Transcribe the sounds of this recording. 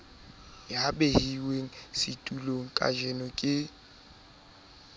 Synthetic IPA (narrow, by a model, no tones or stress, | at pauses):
jabehiweŋ̩sɪtʼuloŋ̩kʼa̰ʒɛnɔkʼɪ